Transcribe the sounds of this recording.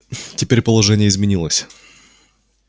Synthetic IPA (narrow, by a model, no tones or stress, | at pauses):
tʲɪpʲeɾʲpəlˠɐʐɛnʲɪjəɪzmʲɪnʲilˠəsʲ